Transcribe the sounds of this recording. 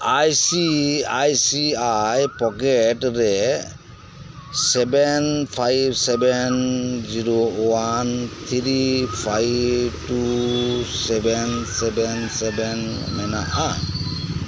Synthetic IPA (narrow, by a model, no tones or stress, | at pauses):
ajsiajsiajpɔkɛʈɾɛ | sɛbɛnpʰajbsɛbɛnziɾowant̪ʰiɾipʰajbʈu | sɛbɛnsɛbɛnsɛbɛn | mɛna̰ʔa